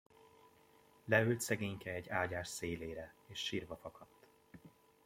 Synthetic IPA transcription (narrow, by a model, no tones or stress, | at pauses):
lɛylt̪sɛɡeːɲkɛɛɟːaːɟaːʃseːleːɾɛeːʃːiːrvɒfɒkʰɒt̪ː